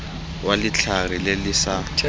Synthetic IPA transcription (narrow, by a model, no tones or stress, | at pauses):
walɪt͡ɬʰarilɪlɪsa